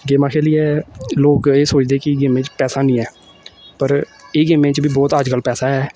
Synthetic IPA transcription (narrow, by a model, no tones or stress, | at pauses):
ɡeːmãːkʰeːliːɛːloːkeːsoːt͡ʃd̪eːkɪɡeːmẽːt͡ʃpɛːsaːnĩːɛː | pəɾeːɡeːmẽːt͡ʃbiːbɔːt̪əd͡ʒkəlpɛːsaːɦɛː